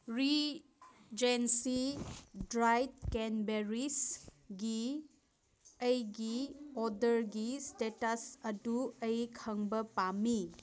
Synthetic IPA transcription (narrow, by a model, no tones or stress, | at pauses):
ɾi | d͡ʒensidɾajt̚kenbeɾis | ɡi | ɐjɡiɔdɐɾɡistetasɐduɐjkʰɐŋbɐpami